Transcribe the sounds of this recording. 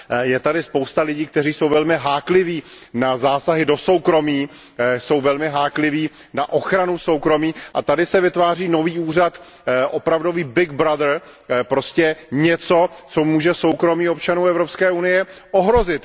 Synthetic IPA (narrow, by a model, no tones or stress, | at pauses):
jɛt̪adɪspowst̪alɪɟiːk̚t̪ɛriːsowvɛlmɪɦaːklɪviː | nazaːsaɦɪdo̞so̞wkɾo̞miː | so̞wvɛlmɪɦaːklɪviː | na̰ʔo̞xɾanuso̞wkɾo̞miːʔa̰t̪adɪsɛvɪt̪vaːriːno̞viːʔuːr̝at̪ | ʔo̞pɾavdo̞viːbɪɡ̚bɾad̪ɾ | pɾo̞scɛɲɛt͡so̞t͡so̞muːʒɛso̞wkɾo̞miːopt͡ʃanuːɛvɾo̞pskɛːʔunɪjɛʔoɦɾo̞zɪt̪